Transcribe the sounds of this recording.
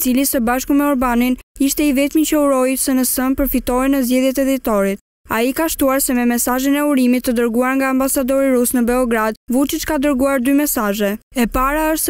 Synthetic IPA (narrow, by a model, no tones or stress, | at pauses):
t͡silisəbaʃkumɛɔɾbaniniʃt̪ɛivɛt̪mit͡ɕəuɾɔjsənəsənpəɾfit̪ɔɛnəzɟɛðjɛt̪ɛd̪it̪ɔɾit̪̚ | a̰ikaʃt̪uaɾsɛmɛmɛsaʒinɛuɾimit̪ːəd̪əɾɡuaɾŋɡaːmbasad̪ɔɾiɾusnəbɛɔɡɾad̪̚vut͡ʃit͡ʃkad̪əɾɡuaɾd̪ymɛsaʒɛɛpaɾaəʃ